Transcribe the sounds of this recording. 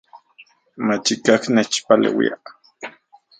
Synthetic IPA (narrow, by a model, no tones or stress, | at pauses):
mat͡ʃikaknet͡ʃpalḛwḭaʔ